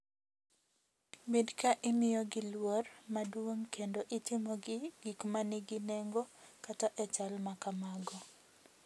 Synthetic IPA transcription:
bidkaʔɪmɪjɔɡɪlwormadwoŋkʰendoʔɪtɪmɔɡɡ̥ikmanɪɡɪnɛŋɡokataʔɛt͡ʃalmakamaɡɔ

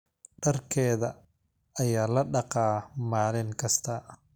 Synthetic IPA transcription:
ɖɐrkʰɛːðɐ | ɐjaːlɐɖɑqɑːmaːlɪŋkʰɐst̪ʰɐ

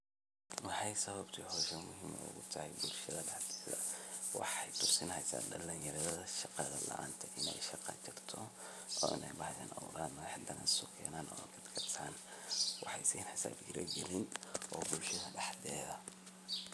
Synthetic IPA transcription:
wɑħɑjsɐβɐbt̪ʰiːhɔːʃɛmʊɦiːmɐ̰ʊ̰ɣʊt̪ʰɐhɛjbʊlʃɐðɐɖɑħd̪ɛːðɐ̰wɑ̰ħɛjt̪ʰʊsɪnhɛjsa̰ːɖɐlɐnjɐɾɐðɐðɐʃɑqɑðɐlɐ̰ʔa̰ːnt̪ʰɐʔɪnɛjʃɑqɑ̰t͡ʃɪrt̪ʰɔ | ʔɔːɪnʔɛjbɑħja̰ːnʔɐwɾaːnmɔħd̪ɐnɐ̰nsɔkʰɛ̰ːnaːnʔɔ̰ːkʰɐd̪kʰɐsʰaːnwɑħɑjsiːnħɪsa̰ːbɡɪɾɐ̰ɡɛlɪnʔɔːbʊlʃɐðɐɖɑħd̪ɛːðɐ

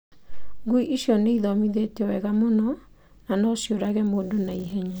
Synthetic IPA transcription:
ɡuiʔiɕjɔneiðɔmiðetɛwɛɣamonɔ | nanɔsjoɾaɣɛmoːdonaiɦɛɲa

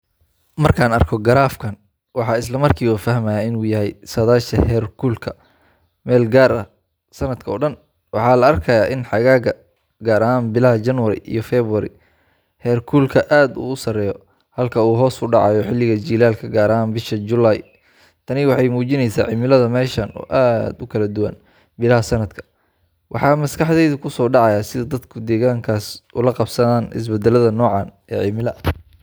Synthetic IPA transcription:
mɐrkʰaːnɐrkʰɔɡɐɾaːfkʰɐn | wɑħɑːɪslɐmɐrkʰiːwɐfɐɦmɐjaːɪnuːjɐɦɛjsɐðaːʃɐhɛːrkʰuːlkʰɐ | mɛːlɡaːɾɐ | sɐnɐd̪kʰɐɔ̰ːɖɐn | wɑħɑːlɐɐrkʰɐjaːʔɪnħɑɣaːɣɐ | ɡaːɾɐɦaːnbɪlɐɦɐd͡ʒɐnwɐɾɪ̰ʔḭjɔfɛːβʊwɐɾɪ̰ | hɛːrkʰuːlkʰɐʔaːd̪ṵːʊsɐrɛːjɔ | hɐlkʰɐuːɦɔːsʰʊɖɑʕɑ̰jɔħɪlːɪɣɐd͡ʒiːlaːlkʰɐɡaːɾɐɦaːnbɪʃɐd͡ʒʊlaːj | t̪ʰɐnɪwɑħɑjmuːt͡ʃɪnɛjsaːʕɪmɪlɐðɐmɛːʃɐnɔ̰ːʔaːd̪ʊkʰɐlɐd̪ʊwɐ̰n | bɪlɐɦɐsɐnɐd̪kʰɐ̥ | wʔɑ̰ħɑːmɐskʰɑħðɛjðʊkʰʊsɔːɖɑʕɑjaːsɪðɐd̪ɐd̪kʰʊd̪ɛːɣaːŋkʰaːsʔʊlɐqɑbsɐðaːnɪ̰s̬bɛd̪ɛlɐðɐnɔːʕɑːn | ɛ̰ːʕɪmɪlɐ

